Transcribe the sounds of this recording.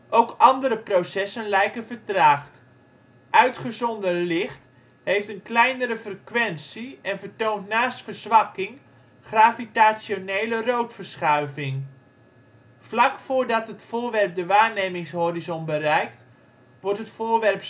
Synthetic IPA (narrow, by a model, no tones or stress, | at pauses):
ʔowkɑndəɾəprosɛsənlɛjkənvəɹtraːχt | ʔœɥtχəzɔndənlɪχt | ɦejftənklɛjnəɾəvrəkʋɛnsiɛnvəɹtowntnaːstfəɹzʋɑkɪŋ | χraːvitasonejlərowtfəɹsχœɥvɪŋ | flɑkfʊːɹdɑtɦətfʊːɹʋɛrp̚dəʋaːɹnejmɪŋsɦɔɾizɔnbərɛjkt | ʋɔɹtɦətfʊːɹʋɛrp